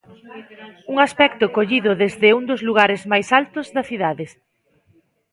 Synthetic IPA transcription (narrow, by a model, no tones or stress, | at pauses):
uŋaspɛkt̪ʊkoʎiðʊðezðɪuŋd̪ʊzluɣ̞aɾezmajsalt̪ʊzðɐθiðaðɪs